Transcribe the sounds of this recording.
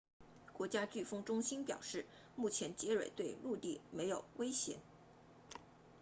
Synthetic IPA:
kwɔ˧˥t͡ɕja˥t͡ɕy˥˩fɤ˥ŋʈ͡ʂʊ˥ŋɕi˥npjɑ˨˩ʊʂɻ̩˥˩ | mu˥˩t͡ɕʰjɛ˧˥nt͡ɕjɛ˧˥ɻwḛ˨˩ɪt̪we˥˧ɪlu˥˧t̪i˥˩me˧˥ɪjo˨˩ʊwe˥ɪɕjɛ̰˧˥n

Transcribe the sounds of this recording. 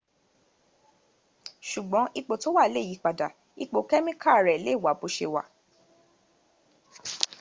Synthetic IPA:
ʃu˨ɡ͡bɔ̃˨˦ʔi˧k͡po˨˧to˦wa˦˨le˦˨ji˨˦k͡pa˨da˨ | i˧k͡po˧kɛ˦mĩ˦ka˦˨ɾɛ˨le˦˨wa˨˦bo˨˧ʃe˧wa̰˨

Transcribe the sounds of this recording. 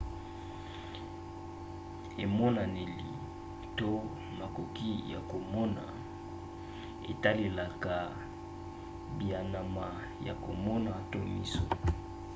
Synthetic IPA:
e˨mɔ˦na˨ne˨li˨ | to˦ | ma˨ko˨ki˦ja˨ko˨mɔ˦na̰˨ | ḛ˨ta˦le˨la˨ka˨ | bi˨a˨na˨ma˨ | ja̰˨ko˨mɔ˦na˨to˦mḭ˦so̰˨

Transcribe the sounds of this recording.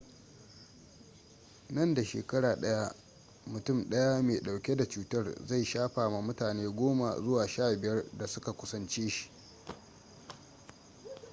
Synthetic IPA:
nɐ˦˨nda˨ʃḛː˨kɐ˦ɽaː˨ɗɐ˦ja˦ | mʊ˨tʊ˦˨mɗɐ˦ja˦meː˨ɗa˨wkʲe˦da˨t͡ʃuː˦tɐ˦˨rza˦˨jʃaː˦ɸaː˨ma˦mʊ˦taː˨neː˦ɡʷoː˦ma̰˨zʊ˦waː˨ʃaː˦˨bɪ˨jɐ˦rda˨sʊ˦ka˨kʷʊ˦sɐ˦nt͡ʃeː˦ʃi̥˦˨ʔ

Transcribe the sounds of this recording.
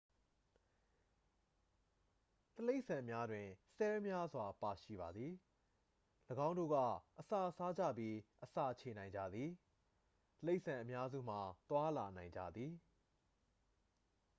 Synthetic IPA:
t̪əle˦ɪʔsã˨mja˦dwɪ̃˨sɛ˦mja˦zwa˨pa˨ʃḭ˦˨ba˨d̪ði˨ | ləɡã˦ʊ̃ndo̰˦˨ɡa̰˦˨ʔəsa̰˦˨ʔsa˦d͡ʑä̰˦˨pji˦ʔəsä̰˦˨t͡ɕʰe˨nã˨ɪ̃ɲd͡ʑä̰˦˨d̪ði˨ | t̪əle˦ɪʔsã˨ʔə˨mja˦zṵ˦˨m̥a˨t̪wa˦la˨nã˨ɪ̃ɲd͡ʑa̰˦˨d̪ði˨

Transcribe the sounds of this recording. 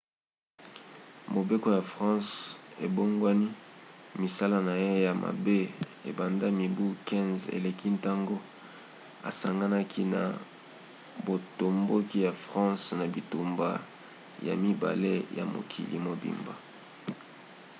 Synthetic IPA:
mo˨be˦ko˨˦ja˨fʁɑ̃˦se˨bo˦ŋɡwa˦ni˦mi˨sa˦la˦na˨je˦ja˨mʔa̰˨be˦e˨ba˨nda˦mi˨bu˦kɛ̃˦nzḛ˨le˨ki˦nta˦ŋɡo˦ | a̰˨sa˨ŋɡa˦na˦kʰi˦na̰˨ | bo˨to˨mbo˦ki˦ja˨fʁɑ̃˦sna˨bi˨tu˨mba˦ | ja̰˨mi˦ba̰˨le˦ja̰˨mo̰˨kʰḭ˨lʔḭ˨mo˨bḭ˨mba̰˨

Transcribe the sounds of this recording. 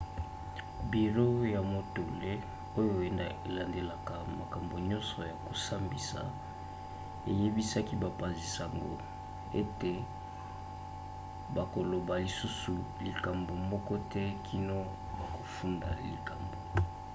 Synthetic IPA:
bi˨ʁo˦ja˨mo˨to˨le˦ | o˦jo˦e˨e˨la˨nde˨la˨ka˨ma˨ka˨mbo˨ɲɔ̃˦nsɔ˨ja˨ko˨sa˦mbi˨sa̰˨ | e˨je˦bi˦sa˦ki˦ba˨pa˨nzi˨sa˨ŋɡo̰˨ | e˦te˨ | ba˨ko˨lo˨ba˨li˨su˦su˨li˨ka˨mbo˨mɔ˦kɔ˦tɛ˦kʰi˦no˦ | ba˨ko˨fu˦nda̰˨lḭ˨ka˨mbo˨

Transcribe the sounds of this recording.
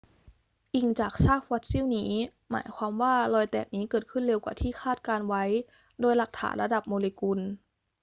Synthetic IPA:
ʔi˧ŋt͡ɕaː˨˩k̚saː˥˩fɔː˧˦˥t̪̚si˦˥˨wniː˦˥ | ma̰ː˩˦jkʰwaː˧mwaː˧˥˩lɔː˧˩jt̪ɛ̰ː˨˩k̚niː˦˥kɤː˨˩t̪̚kʰɯ˧˥˩nle˧wkwaː˨˩t̪ʰiː˥˩xʰaː˥˩t̪̚kaː˧nwa˦˥j | doː˧jla˨˧˩k̚t̪ʰa̰ː˩˦nɾla˧da˨˩p̚moː˧le˧ku˧n

